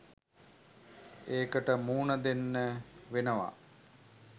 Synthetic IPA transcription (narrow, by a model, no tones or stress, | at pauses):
eːkəʈəmuːnəd̪enːəʋenəʋa̰